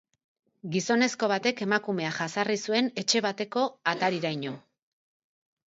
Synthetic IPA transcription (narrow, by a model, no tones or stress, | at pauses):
ɡiso̞ne̞sko̞β̞at̪e̞ke̞makume̞aʝasarisue̞ne̞t͡ʃe̞β̞at̪e̞ko̞at̪aɾiɾajɲo̞